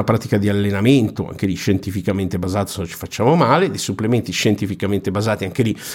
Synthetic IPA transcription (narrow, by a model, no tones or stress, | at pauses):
apɾaːt̪ikad̪ialːenament̪oa̰ŋk̟ed̪iʃent̪ifikament̪ebazaːt̪osenot͡ʃi̥fat͡ʃːaːmomaːled̪ejsuplement̪iʃent̪ifikament̪ebazaːt̪iaŋk̟ed̪i